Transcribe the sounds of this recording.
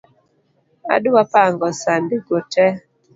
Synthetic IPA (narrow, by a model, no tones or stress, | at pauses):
a̰dwapaŋɡɔsandɪɡotɛ